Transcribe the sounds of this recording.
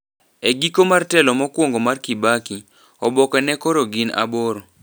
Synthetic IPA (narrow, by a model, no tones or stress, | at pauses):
eɡikomartɛlɔmɔkwoŋɡomarkibaki | ɔbɔkɛnɛkɔɾoɡina̰boɾo